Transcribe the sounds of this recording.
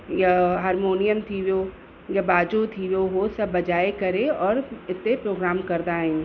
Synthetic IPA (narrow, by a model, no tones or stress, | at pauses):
jɐɦaːɾmoːnijəmt̪ʰiʋoː | jɐbaːd͡ʒot̪ʰiʋoːɦosɐbːɐd͡ʒaːekɐɾẽɔːɾɪt̪ːepɾoːɡɾaːmkɐɾd̪aːẽː